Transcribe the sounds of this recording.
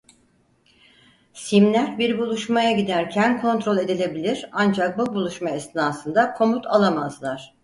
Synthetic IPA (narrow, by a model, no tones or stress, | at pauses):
simlʲæɾbiɾbulˠuʃmajaɟid̪æɾcʰænkʰo̞nt̪ɾo̞lʲe̞d̪ilʲe̞bilʲiɾand͡ʒak̚bubulˠuʃmaɛsnaːsɯnd̪akʰo̞mut̪ʰalˠamazlˠaɾ̥